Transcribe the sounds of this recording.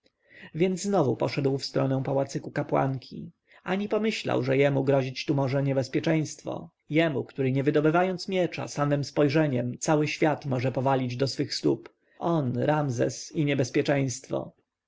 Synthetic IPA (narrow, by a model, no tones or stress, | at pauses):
vʲjɛnd̪zznɔvupɔ̰ʂɛd̪wfst̪ɾɔnɛw̃pawat̪sɘkukapwa̰ŋkʲʰḭ | ʔaɲipɔmɘɕla̰wʐɛjɛmuɡɾɔʑit͡ɕt̪umɔʐɛɲɛbɛspʲjɛt͡ʂɛj̃st̪fɔ̰ | jɛmukt̪uɾɘɲɛvɘd̪ɔbɘvajɔnt̪smʲjɛt͡ʂa̰samɘmspɔjʐɛɲɛmt̪sawɘɕfʲjat̪mɔʐɛpɔvalʲid͡ʑd̪ɔsfɘxst̪ṵp | ʔɔnɾamzɛ̰siɲɛbɛspʲjɛt͡ʂɛj̃st̪fɔ̰